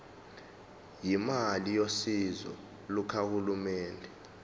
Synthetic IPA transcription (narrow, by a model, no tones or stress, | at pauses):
jimalijosizɔ̰ | lukʰahulumɛːndʱɛ